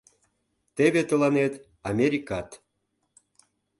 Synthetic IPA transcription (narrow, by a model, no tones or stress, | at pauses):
t̪eβet̪ə̆lɑnet̪ | ɑmʲeɾʲikɑt̪